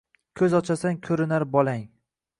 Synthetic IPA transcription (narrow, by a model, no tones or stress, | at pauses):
kʲʰɵzɒt͡ʃʰasankʲʰɵɾɪnaɾbɒlˠaŋ